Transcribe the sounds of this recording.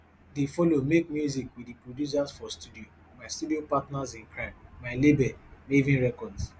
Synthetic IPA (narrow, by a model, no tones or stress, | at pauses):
difɔlomek̚mjuzikwiipɹodjus̬asfɔstudio | maɪstudiopatnazĩnkɹãmmaɪlebɛmevĩnɹɛkɔds